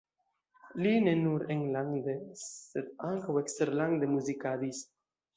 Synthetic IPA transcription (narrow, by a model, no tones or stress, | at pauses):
linenuɾeŋlaŋd̪esed̪aŋkawekst̪eɾlaŋd̪emuzikad̪is